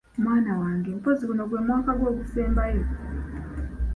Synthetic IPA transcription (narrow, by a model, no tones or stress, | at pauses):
mwaːnawaːŋɡempozikunoɡwemwaːkaɡwokuseːmbai